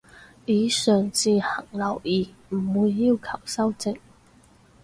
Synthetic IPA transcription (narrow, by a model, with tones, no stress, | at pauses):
iː˨˥sœː˨˩ŋt͡siː˧˩hɐ˨˩ŋlɐ˨˩wiː˨˩ | m̩˨˩wuː˨˥jːi˥˩wkʰɐ˨˩wsɐ˥wt͡sɪ˥˨˥ŋ